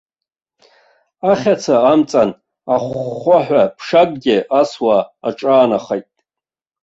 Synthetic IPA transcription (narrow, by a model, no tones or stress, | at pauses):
aχʲat͡sʰaːmt͡sʼan | aχːʷaħᶣʷapʰʂakʼɡʲɪʔaswaːʈ͡ʂʼaːnaχajtʼ